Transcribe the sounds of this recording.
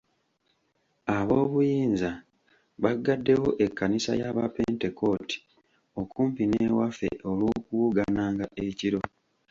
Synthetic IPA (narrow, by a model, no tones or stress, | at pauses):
aβo̞ːβujiːnza | βaɡːadːe̞wo̞ʔe̞kːanisa̰jaβapente̞ko̞ti̥ | o̞kuːmpinewafe̞̰ʔo̞lwo̞ːkuwuɡanaːŋɡaʔeciɾo̞